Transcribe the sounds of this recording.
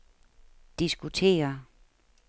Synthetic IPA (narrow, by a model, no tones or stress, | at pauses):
d̥isɡ̥ut͡sʰe̝̰ːɐ